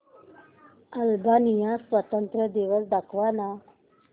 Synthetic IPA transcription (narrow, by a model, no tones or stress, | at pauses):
əlbanijãsʋət̪ənt̪ɾəd̪eʋəsd̪akʰʋana